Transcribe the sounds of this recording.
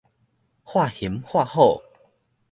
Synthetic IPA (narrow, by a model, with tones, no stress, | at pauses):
xwa˥˧hi˨˦mxwa˥˧xɔ˥˨